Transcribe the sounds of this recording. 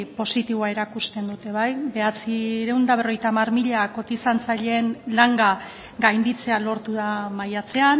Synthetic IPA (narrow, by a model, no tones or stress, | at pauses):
po̞sit̪iβoae̞ɾakust̪e̞nd̪ut̪e̞βajbe̞at͡siɾe̞wnd̪aβ̞ro̞jt̪aːmarmiʎako̞t̪isant͡saʎe̞ːnlaŋɡa | ɡajnd̪it͡se̞alo̞ɾt̪uðamajat͡se̞an